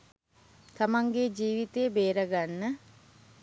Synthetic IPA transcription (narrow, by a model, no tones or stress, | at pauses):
t̪amaŋɡed͡ʒiːʋit̪ejːbeːɾəɡanːə